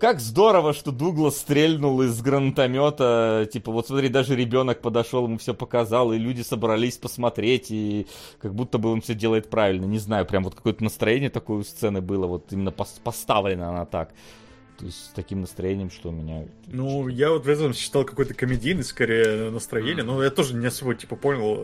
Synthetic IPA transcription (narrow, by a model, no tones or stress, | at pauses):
kakzd̪o̞ɾəvəʂt̪o̞d̪uɡlˠəst̪ɾʲelʲnʊlˠɪzɡɾənt̪ɐmʲo̞t̪ətʲipəvo̞t̪smɐt̪ɾʲit̚ʲd̪aʐɨɾʲɪbʲo̞nək̚pəd̪ɐʂolˠɨmufsʲɵpəkɐzɑlˠɪlʲudʲɪsəbɾɐlʲisʲpəsmɐt̪ɾʲetʲikɐɡ̚but̪ːəbɨonfsʲɵdʲe̞lˠəjɪt̪̚pɾavʲɪlʲnənʲɪznajʊpɾʲamvo̞t̪̚kɐ̥ko̞jət̪ənəst̪ɾɐjenʲɪjət̪ɐkojʊst̪sɛnɨbɨlˠəvo̞t̪imʲɪnːəpɐspɐst̪avlʲɪnəɐnat̪ak | t̪o̞̰ɪsʲtʲsʲt̪ɐkʲimnəst̪ɾɐjenʲɪjəmʂt̪omʲɪnʲa̰t̪nujavot̪vɛt̪ət̪əmsɕːɪ̥t̪ɑlˠkɐko̞jət̪əkəmʲɪdʲijnːɨskɐɾʲejənəst̪ɾɐjenʲɪjənojat̪o̞ʐɨnʲɪɐsobətʲi̥pəpo̞nʲɪlˠ